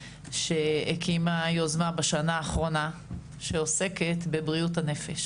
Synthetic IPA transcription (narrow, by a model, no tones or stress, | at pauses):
ʃeekʰimajozmabaʃanaːχʁo̞na | ʃeose̞ketbe̞bʁiuthane̞feʃ